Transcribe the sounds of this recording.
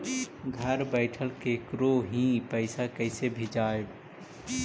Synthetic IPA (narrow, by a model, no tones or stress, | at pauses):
ɡʱəɾbəɪʈʰəlkekɾoɦĩpəɪsakəɪsebʱid͡ʒaːeb